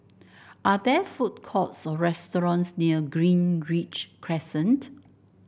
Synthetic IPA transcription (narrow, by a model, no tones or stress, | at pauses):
ʔadɛfut̚kʰɔtsɔɹɛstɔɹɔ̃nsniəɡɹĩnɹit͡ʃkʰɹɛsə̃nt